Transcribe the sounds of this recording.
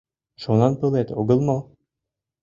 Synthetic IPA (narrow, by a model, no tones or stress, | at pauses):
ʃunɑnpɤlˠet̪oɡɤlˠmo